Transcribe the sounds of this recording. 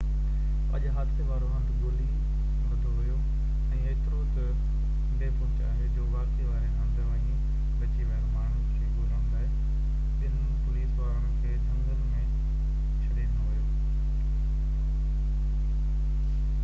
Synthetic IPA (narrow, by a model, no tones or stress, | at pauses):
ɐ̰ʄɦaːt̪ʰeʋaːɾoɦɐ̃nd̪ɡʊli | mɐd̪ʱoɦʊjo | ɛ̃ːɐːt̪ɪɾoːtɐ | ɖeːpʊ̃t͡ʃa̰ːɦed͡ʑoːʋaːkeʋaːɾenɐ̃nd̪ʱəə̃ĩ | kɐt͡ɕiʋɛɦɾmaːnʰ | keːkpʊlɐ̃md̪ə | ɪn | pʊliːsʋaːɾəɽ̃kʰeːd͡ʒʱɐ̃ŋɡəɾmẽ | t͡ɕʰɐɾiːnoɦʊjoː